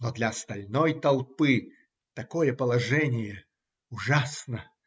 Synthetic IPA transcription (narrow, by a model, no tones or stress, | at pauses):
nod̪lʲɐɐst̪ɐlʲnojt̪ɐlˠpɨ | t̪ɐkojəpəlˠɐʐɛnʲɪjə | ʊʐasnə